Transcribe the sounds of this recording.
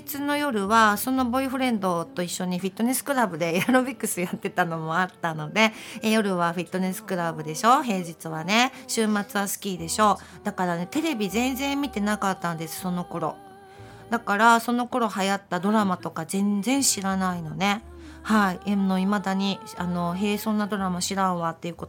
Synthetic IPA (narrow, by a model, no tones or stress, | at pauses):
t͡sɨno̞jo̞ɾɯ̟βaso̞no̞bo̞iɸɯ̟ɾẽ̞nd̪o̞t̪o̞iɕːo̞ɲ̟iɸit̪ːo̞ne̞sɨ̥kɯ̟ɾabɯ̟d̪e̞jaɾo̞bʲikːɯ̟sɨjat̪ːe̞t̪ano̞mo̞at̪ːano̞d̪e̞jo̞ɾɯ̟β̞aɸit̪ːo̞ne̞sɨ̥kɯ̟ɾabɯ̟d̪e̞ɕo̞ɦe̞ːʑit͡sɨβane̞ɕɨːmat͡sɨβasɨ̥kʲiːd̪e̞ɕo̞ːd̪̥akaɾane̞t̪e̞ɾe̞bʲizẽ̞nzẽ̞mmʲit̪e̞nakat̪ːãnd̪e̞sɨ̥so̞no̞ko̞ɾo̞̰ | d̪akaɾaso̞no̞ko̞ɾo̞hajat̪ːad̪o̞ɾamat̪o̞kazẽ̞nzẽ̞ɰ̃ɕiɾanainone̞ | haiemno̞imad̪aɲ̟i | ano̞ɦe̞ːso̞ːnːad̪o̞ɾamaɕiɾaoβat̪ːe̞jɯ̟kot̪o